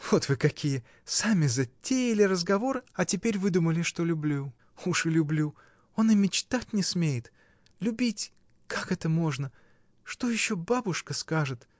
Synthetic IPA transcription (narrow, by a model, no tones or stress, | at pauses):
v̥o̞t̪vɨkɐkʲijə | samʲɪzɐtʲːejɪlʲɪɾəzɡɐvo̞ɾɨɐtʲɪpʲeɾʲvɨd̪uməlʲɪʂt̪o̞lʲʊblʲu | uʂɨlʲʊblʲu | o̞nɨmʲɪt͡ɕt̪atʲnʲɪsmʲejɪt̪ | lʲʉbʲitʲ | kakɛt̪əmo̞ʐnə | ʂt̪o̞jɪɕːo̞babʊʂkəskaʐɨt̪